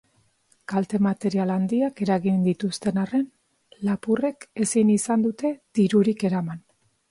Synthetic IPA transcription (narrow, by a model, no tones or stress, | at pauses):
kalt̪e̞mat̪e̞ɾialand̪iake̞ɾaɣind̪it̪ust̪e̞nare̞n | lapure̞ke̞sinisand̪ut̪e̞ð̥iɾuɾike̞ɾaman